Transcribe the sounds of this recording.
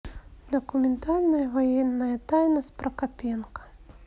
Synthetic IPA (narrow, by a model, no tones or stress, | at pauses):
d̪ɐkumʲɛnt̪alʲnɐjɐvajɛnːɐjɐt̪ajnɐspɾɐkapʲɛnkɐ̥